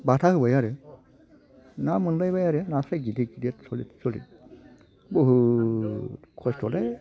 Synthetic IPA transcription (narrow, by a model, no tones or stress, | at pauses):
batʰahɯbajaɾɛ | namɯndajbajaɾɛnasaɡidiɡidiɛtsɔlitsolḭ | boɦu | tkʰɔstɔlɛ